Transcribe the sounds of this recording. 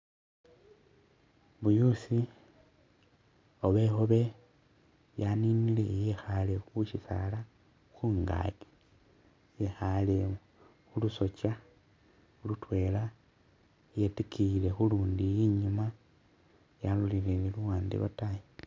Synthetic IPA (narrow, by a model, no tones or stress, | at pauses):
βujusi | oβe̞xoβe̞ | janinilejexalexuʃisa̰la | xuːŋɡa̰ɡe̥ | jexale | xuluso̞t͡ʃa | ulutwe̞la | jetekʰile̞xuluːndijiɲuma | jalulileliluwaːndḭβa̰taji